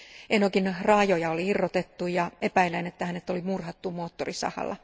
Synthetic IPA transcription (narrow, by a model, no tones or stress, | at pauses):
ʔenokinrɑjojɑoliirːot̪et̪ːujɑepæilænet̪ːæhænet̪ːolimurhɑt̪ːumoːt̪ːorisɑ̰hɑ̰lːɑ̰